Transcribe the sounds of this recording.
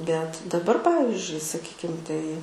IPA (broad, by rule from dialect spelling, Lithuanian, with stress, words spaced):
bʲɛt dɐˈbɐr ˈpɑːʋʲɪzʲd͡ʒʲʊɪ sɐˈkʲiːkʲɪm ˈtɐɪ